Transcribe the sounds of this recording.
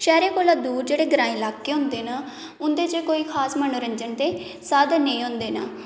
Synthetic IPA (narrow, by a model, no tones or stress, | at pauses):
ʃɛːɾeːkoːlaːd̪uːɾd͡ʒeːɽeːɡɾaːĩːlaːkːeːɦʊ̃nd̪eːnaː | ʊnd̪eːt͡ʃekoːiːkʰaːsmənoːɾəɲd͡ʒənt̪eː | saːd̪nəĩːɦʊ̃nd̪eːnaː